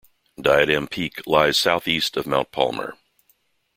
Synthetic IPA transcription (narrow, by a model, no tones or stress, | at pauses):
d̥aɪɨɾɛ̃mpʰikʰlaɪz̥saʊθistʌvmãʊ̃npʰɑ̰lˠmə̰˞